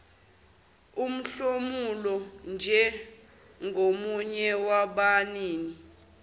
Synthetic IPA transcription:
um̩ɬomulɔnd͡ʒʱɛ | ŋɡʱomuɲɛwaɓaniːni

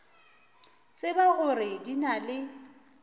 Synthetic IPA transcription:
t͡sʼɪbaɣʊrɪdinalɪ

